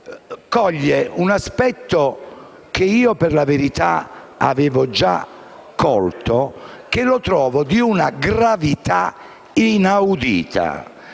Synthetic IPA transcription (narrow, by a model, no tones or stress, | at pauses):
kɔʎːeunaspɛt̪ːo | keiːoperlaveɾit̪a̰ | a̰vɛːvɔd͡ʒa̰ | kːɔlt̪okelot̪ɾɔːvɔd̪iunaɡɾavit̪a | inawd̪ḭːt̪ʰa̰